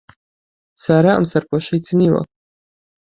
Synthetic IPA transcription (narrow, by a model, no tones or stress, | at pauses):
saɾaa̰msaɾpʰɔʃid̪zniva̰